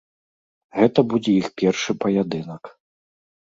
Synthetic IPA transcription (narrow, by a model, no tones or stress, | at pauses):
ɣɛt̪ɐbud͡zʲɛixpʲɛrʂɨpɐjad̪ɨnɐk